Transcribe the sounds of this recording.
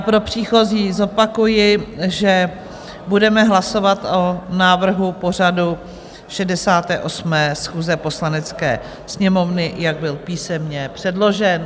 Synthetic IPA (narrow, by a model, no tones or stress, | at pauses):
pɾo̞pr̝̥iːxo̞ziːzo̞pakujɪʒɛ | budɛmɛɦlaso̞vat̪onaːvr̩ɦupo̞r̝adu | ʃɛdɛsaːt̪ɛ̰ːʔo̞smɛːsxuːzɛpo̞slanɛt͡skɛ̰ː | sɲɛmo̞vnɪjaɡ̚bɪlpiːsɛmɲɛpr̥ɛdlo̞ʒɛn